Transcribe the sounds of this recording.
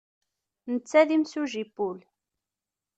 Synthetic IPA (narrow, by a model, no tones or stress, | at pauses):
nət͡sːæðimsuʒipːʊl